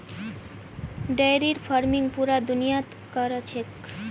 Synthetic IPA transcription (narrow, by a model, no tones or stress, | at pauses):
ɖajɾiɾfaɾmiŋpuɾad̪unijat̪ | kɔɾat͡ɕʰek